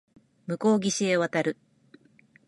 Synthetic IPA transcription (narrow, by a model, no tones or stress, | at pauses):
mɯ̟ko̞ːɡʲiɕie̞β̞at̪aɾɯ̟